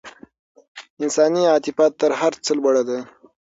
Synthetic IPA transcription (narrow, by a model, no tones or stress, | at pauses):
ɪnsɑniɑːt̪ɪfɑt̪ːəɾɦaɾt͡səlbaɽad̪a